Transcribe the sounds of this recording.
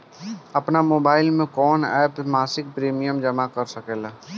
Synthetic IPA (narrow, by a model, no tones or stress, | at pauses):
ɐpnamoːbaːɪlmẽkɔːnɛ̰ːpmaːsɪk̚pɾiːmijəmd͡ʒɐmakɐɾsɐkeːlaː